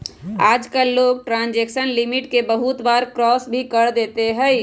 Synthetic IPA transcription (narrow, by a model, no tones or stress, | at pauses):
aːd͡ʒkəlːoːɡʈɾãnd͡ʒeksənlimiʈkebəɦut̪baɾkɾɔsbʱikəɾd̪et̪eɦɛj